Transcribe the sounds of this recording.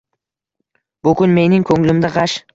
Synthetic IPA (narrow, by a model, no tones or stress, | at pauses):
b̥ʊkʊnme̞nɪŋkʰoŋlɪmd̪aʁɑʃ